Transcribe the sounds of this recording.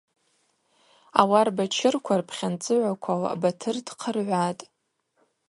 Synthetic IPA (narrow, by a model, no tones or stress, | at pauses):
awarbat͡ʃʰɪrkʷʰarpʰχʲant͡sʼɨʕʷakʷʰawa̰batʰɨrdqʰərʕʷatʼ